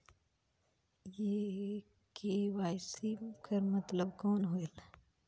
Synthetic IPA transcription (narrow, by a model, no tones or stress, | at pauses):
je | kʰewaːsimkʰɐɾmɐt̪ləbkɔːnɦoːel